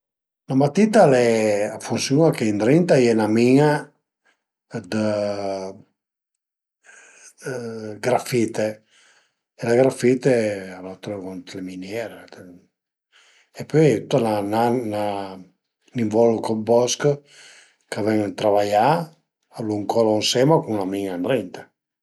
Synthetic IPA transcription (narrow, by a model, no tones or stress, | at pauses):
lamat̪it̪alɛafunsjuakeint̪ɾint̪ajɛnamiŋa | d̪ə | ɡɾafit̪e | elaɡɾafit̪ealat̪ɾekɔnt̪leminjɛɾed̪ | epøjɛt̪ut̪ːananana | niɱvɔlukɔbɔskə | kavɛŋet̪ɾavaja | luŋkɔlaunsɛmakuŋlamiŋand̪ɾɛnt̪ḁ